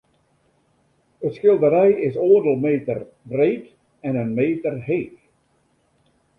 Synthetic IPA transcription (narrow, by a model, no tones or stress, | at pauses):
ətskɪlˠdəɾɛjɪsoərdəlˠmeːtər | breːt | ɛnənmeːtərɦeːk